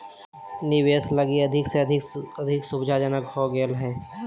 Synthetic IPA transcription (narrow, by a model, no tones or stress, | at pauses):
nɪʋeːsləɡiɐd̪ʱɪkseɐd̪ʱɪkɐd̪ʱɪksʊbd͡ʒʱad͡ʒənəkɦoɡeːlɦɛ̃ː